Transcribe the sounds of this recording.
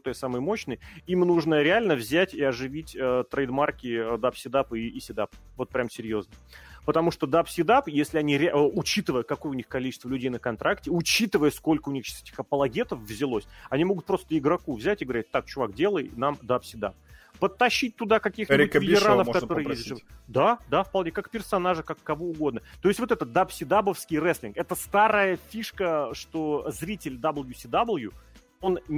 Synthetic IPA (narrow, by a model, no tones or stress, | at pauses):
t̪əjsamɨjəmo̞ɕnɨjimnuʐnəɾʲɪalʲnəvzʲætʲɪɐʐɨvʲitʲət̪ɾəjd̪markʲɪd̪apsʲɪd̪apɨːsʲɪd̪apvo̞t̪̚pɾʲamsʲɪɾʲjo̞znəpət̪ɐmuʂt̪od̪apsʲɪd̪apjesʲlʲɪɐnʲiɾʲɪʊt͡ɕit̪ɨvəjəkɐko̞jəʊnʲixkɐlʲit͡ɕɪst̪vəlʲʉdʲejnəkɐnt̪ɾʔaktʲɪʊt͡ɕit̪ɨvəjəsko̞lʲkəʊnʲixɛtʲɪ̥xɐpəlˠɐɡʲe̞t̪əfvzʲɪlˠosʲɐnʲimo̞ɡʊt̪̚pɾo̞st̪əɪɡɾɐkuvzʲætʲɪɡəvɐɾʲæt̚ʲt̪ak̚t͡ɕʊvakdʲe̞lˠəjnamd̪apsʲɪd̪a̰p̚pət̪ːɐɕːit̚ʲt̪ʊd̪akɐkʲixʲɪɪʊvʲɪtʲɪɾanəfkɐt̪o̞ɾɨjezʲʐd̪ad̪afpɐlˠnʲekakpʲɪrsɐnaʐɨkakːɐvoʊɡo̞d̪nət̪o̞ɪsʲtʲvot̪ɛt̪əd̪apsʲɪd̪abəfskʲɪjrɛslʲɪnkɛt̪əst̪aɾəjəfʲiʂkəʂt̪ozɾʲitʲɪlʲd̪abəlˠjusʲid̪ablˠju | o̞n